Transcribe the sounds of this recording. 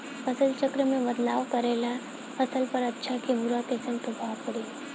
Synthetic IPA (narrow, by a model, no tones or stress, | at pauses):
əsəlt͡ʃəkɾəmẽʋəd̪laʋkəɾela | əsəlpəɾətːɕʰakimuɾat̪esə̃nt̪obʱapəɽi